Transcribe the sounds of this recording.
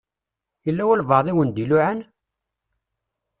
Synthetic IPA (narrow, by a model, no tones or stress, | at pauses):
jəlːæwælvɑðˤiwənd̪iluʕən